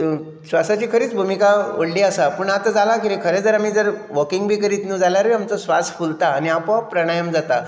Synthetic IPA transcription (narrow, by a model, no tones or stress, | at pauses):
sʋasat͡ɕiːkʰəɾiːt͡sbʱumikaʋəɽliːasapəɳat̪əd͡zalakiɾekʰəɾed͡zəɾam̤iːd͡zəɾʋəkiŋɡbʱiːkəɾiːt̪nuːd͡zaljaɾʋiamt͡səsʋasfult̪aːniapʋapɾəɽ̃ajəmd͡zat̪a